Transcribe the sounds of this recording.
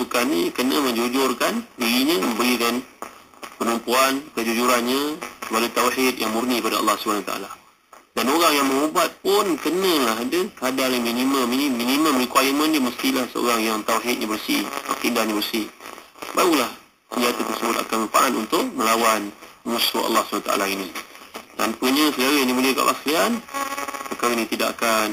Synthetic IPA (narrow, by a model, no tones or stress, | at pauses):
bukanːikənəmə̃ɲd͡ʒud͡ʒʊrkandiɣiɲəməmbəɾikan | pənumpuankəd͡ʒud͡ʒuɾanɲəsəbalat̪awħɪt̪̚jaŋmurnikəpadaɑ̰lːɑhsəbuaɾat̪a̰ʔa̰la | danoɾaŋjaŋməŋubat̪̚pʊnkənə̃laɦadəkadaliminiməminiminimə̃mikualimə̃ndiməst̪ilahsəo̰ɾaŋjaŋt̪awħɪt̪̚ɲəbərsḭa̰kidanibərsibaulah | kijat̪ut̪ərsəbʊt̪a̰kanməfaʔanunt̪ʊk̚məlawan | musʊɑ̰lːɑsə̥anat̪a̰a̰lainĩt̪ampəɲə̃səɡaɾənimuliəka̰ʔbaslianpəkaɾənĩt̪ida̰ʔa̰kan